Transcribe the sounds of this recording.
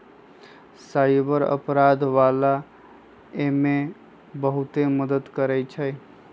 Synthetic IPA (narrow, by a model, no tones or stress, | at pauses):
saɪbəɾə̰pɾad̪ʋala | eme | bəɦut̪eməd̪ət̪kəɾɛjt͡ʃʰəj